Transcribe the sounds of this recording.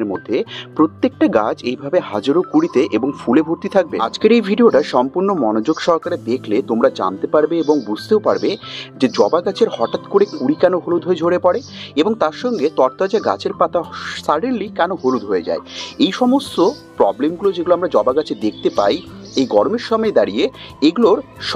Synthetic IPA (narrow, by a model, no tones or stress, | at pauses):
ɾmod̪ʱːepɾot̪ːek̚ʈaɡad͡ʑejbʱabehad͡ʑaɾokuɽit̪eʔeboŋfulebʱoɾt̪it̪ʰak̚bḛa̰d͡ʑkeɾejbʱiɖioʈaʃɔmpuɾnomɔnod͡ʑoɡʃɔɾkaɾed̪ekʰlet̪omɾad͡ʑa̰nt̪epaɾbeeboŋbud͡ʑʱt̪eopaɾbed͡ʑed͡ʑɔbaɡat͡ɕʰeɾhɔʈat̪koɾekuɽikɛnoɦolud̪ʱoed͡ʑʱoɽepɔɽe | eboŋt̪aɾʃɔŋɡet̪ɔɾt̪ad͡ʑaɡa̰t͡ɕʰeɾpat̪ʰasaɽilːikɛnoɦolud̪ʱɦoed͡ʑa̰eejʃɔmost̪o | pɾɔblemɡulod͡ʑeɡuloamɾad͡ʑɔbaɡat͡ɕʰed̪ekʰt̪epa̰jejɡɔɾomeɾʃɔmɔed̪aɾieeɡuloɾʃ